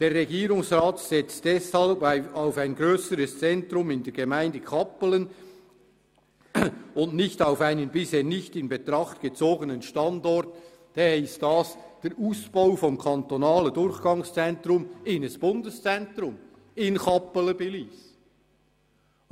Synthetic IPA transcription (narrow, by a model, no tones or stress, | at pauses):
d̥eːrːɛɡiːɾʊŋsrɑːtsɛt͡std̥ɛshɑlbaʊfaɪnɡɾøːsəɾəst͡sɛntɾʊmɪndɛːɐɡ̥emaɪndəkʰɑpələn | ʊntnɪçtaʊfaɪnənbɪsheːnɪçtɪnbetɾɑχtɡ̥ət͡soːɡənənʃtɑndɔɾt | d̥eɪstd̥ɑːsd̥eːɾʔuːsb̥aʊfɔmkʰɑntonɑːlədʊɾçɡ̥ɑŋst͡sɛntrʊmɪnəsb̥ʊndəst͡sɛntrʊm | ɪnkɑpələbeliːs